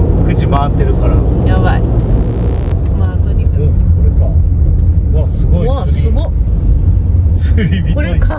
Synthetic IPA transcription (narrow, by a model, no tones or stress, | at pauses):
kɯd͡ʑimaːt̪ːe̞ɾɯ̟kaɾa | jaβai | mat̪oɲʲikoɾeka | βasɨɡoisɡo | sɨɾʲibʲiɾeka